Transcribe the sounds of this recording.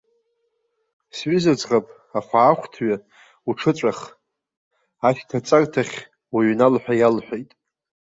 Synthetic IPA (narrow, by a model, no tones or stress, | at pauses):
sɥʏzad͡zʼʁapʼ | aχʷaːχʷtʰɥa | uʈ͡ʂʰɨt͡sʷʼaχ | aʃtʰat͡sʼakʼtʰaχʲ | waɥnalħʷᶣajalħʷᶣejtʼ